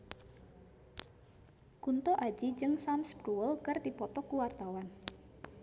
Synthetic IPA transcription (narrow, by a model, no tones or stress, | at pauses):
kunt̪ɔʔḁd͡ʒid͡ʒɨŋsamsbɾuwəlkərd̪ipɔt̪ɔkuwart̪awan